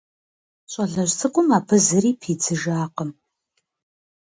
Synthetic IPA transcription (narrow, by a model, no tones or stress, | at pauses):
ɕʼɐɮɐʒt͡sʰɨqʷʼʊmaːpʰɨzɨɾiːpʰiːd͡zʰɨʒaːqəm